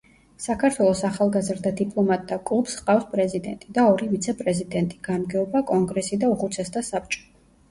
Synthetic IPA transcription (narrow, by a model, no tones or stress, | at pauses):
sakʰaɾt̪ʰwɛlˠɔsaχalˠɡazɾd̪ad̪ipʼlˠɔmat̪ʼd̪akʼlˠupsqʼafspʼɾɛzid̪ɛnt̪ʼid̪aɔɾivit̪sʰɛpʼɾɛzid̪ɛnt̪ʼiɡ̥anmɡɛɔbakʼɔŋɡɾɛsid̪auχut̪sʰɛst̪asap̚ʼt͡ʃʼɔ̥